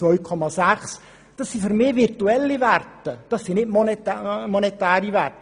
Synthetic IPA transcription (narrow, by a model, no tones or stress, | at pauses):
vɔjkʰɔmasaχs | d̥əsːifəɾmɪːvirtuɛlivartəd̥ɔsːinɪt̚mɔnɛtmɔnɛtaːɾivart